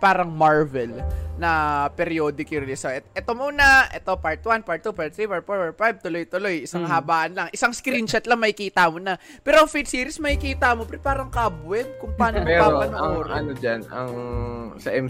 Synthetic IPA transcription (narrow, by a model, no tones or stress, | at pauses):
paːɾɐŋmaɹvɛlnɐpɛɾɪjo̞ːd̪ɪkjʊɾnɪsoʔɛʔɛt̪omuːnɐʔɛt̪o̞paɹt̪wanpaɹt̪ːupaɹt̪̚ːɾipat̪̚foɹpaɹt̪̚fajb̚t̪ʊlojt̪ʊlo̞jʔɪsaŋɐɦɐbaːʔɐnlɐŋʔɪsaŋskɾinʃɐt̪laŋmɐʔɪkiːt̪amonɐpɛːɾoʔɐŋfit̪̚siːɾɪsmɐhikiːt̪amopɾɛpaːɾɐŋkɐʔbwɛnkʊŋpaaːnopɛɾpaobɐɐʔɐnod͡ʒanɐ̰ŋsɐʔɛm